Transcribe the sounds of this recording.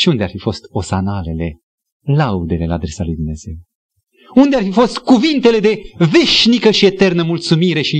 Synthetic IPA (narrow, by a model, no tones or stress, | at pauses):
ʃiund̪e̞arfifo̞st̪o̞sanale̞le̞ | laud̪e̞le̞la̰ːd̪ɾe̞salujd̪umne̞z̥e̞w | und̪earfifo̞st̪kuvint̪e̞le̞d̪e̞ve̞ʃnikəʃie̞t̪e̞rnəmult̪sumiɾe̞ʃi